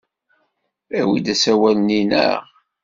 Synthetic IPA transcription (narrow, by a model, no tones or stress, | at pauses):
æwid̪æsæwælninə̰ʁ